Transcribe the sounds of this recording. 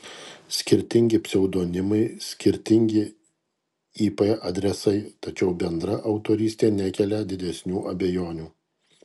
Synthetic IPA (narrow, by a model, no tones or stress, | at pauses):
sʲkʲɪɾʲt̪ʲɪŋʲɡʲɪpʲsʲɛʊd̪oːnʲɪmɐɪsʲkʲɪɾʲt̪ʲɪŋʲɡʲɪ | iːpɛʔɐd̪ʲɾʲɛsɐɪt̪ɐt͡ʃʲɛʊbʲɛnd̪ɾɐʔɐʊt̪oːɾʲiːsʲt̪ʲeːnʲækʲɛlʲɛd̪ʲɪd̪ʲɛsʲnʲuːʔɐbʲɛjoːnʲuː